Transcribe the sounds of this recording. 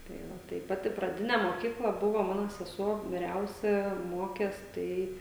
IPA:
ˈtɐɪ ˈʋɐ tɐɪ ˈpɑːtʲɪ prɐˈdʲɪnʲɛ moːˈkʲiːklˠɐ ˈbʊʋoː ˈmɑːnoː sʲɛˈsuɔ ʋʲɪˈrʲɛʊsʲɛ ˈmoːkʲeːs ˈtɐɪ

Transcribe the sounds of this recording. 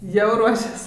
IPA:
jɛʊ ˈruɔʃʲɛs

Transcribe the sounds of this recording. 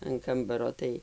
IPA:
ɐn ˈkɐmbɐroː ˈtɐɪ

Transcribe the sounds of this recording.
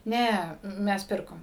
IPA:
ˈnʲɛ ˈmʲɛs ˈpʲɪrkoːm

